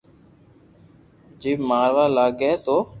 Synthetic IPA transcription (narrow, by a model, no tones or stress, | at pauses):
d͡ʒiːmaːɾʋaːlaːɡɛːt̪oː